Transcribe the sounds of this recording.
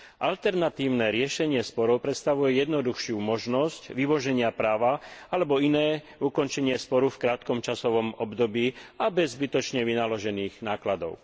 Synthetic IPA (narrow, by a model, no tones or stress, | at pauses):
ʔalt̪ɛɾnat̪iːʊnɛːɾɪɛʃɛɲɪɛspɔɾɔʊpɾɛt̪st̪aʋujɛjɛd̪nɔd̪uxʃɪumɔʒnɔscʋiʋɔʒɛɲɪapɾaːʋaalɛbɔinɛː | ukɔnt͡ʃɛɲɪɛspɔɾufkɾaːt̪kɔmt͡ʃasɔʋɔmɔbd̪ɔbiːabɛzːbit̪ɔt͡ʃɲɛʋinalɔʒɛniːɣnaːklad̪ɔ̰ʊ